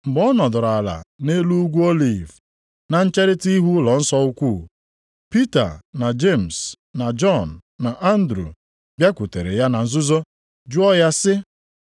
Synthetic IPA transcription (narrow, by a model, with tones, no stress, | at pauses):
m̩˨bɔ˦nɔ˨dʊ˨ɾa˨la̰˨ne˦lu˦ɡʷu˦o˦li˨v | na˨n̩˦t͡ʃe˦ɾɪ˦ti˦ɦu˦lɔ˨n̩˦sɔ˦u˦kʷu˦˨ | pi˦ta̰˨na˨d͡ʒe˦˨m̩˨s | na˨d͡ʒɔ˦˨nːa˨ʔa˦n̩˦dɾṵ˨ | bja˦ku˨te˨ɾḛ˨ja˦na˨n̩˦˨zʊ˦zo˦ | d͡ʒu˦ɔ˦ja˦sɪ˦